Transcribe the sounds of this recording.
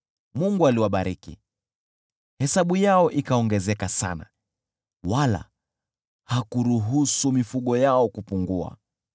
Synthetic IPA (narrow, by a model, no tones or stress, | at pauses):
muŋɡualiwaɓaɾikḭ | hɛsaɓujaɔʔikaɔŋɡɛzɛkasa̰na̰ | wala̰ | hakuɾuɦusumifuɠɔjaɔkupuŋɡua̰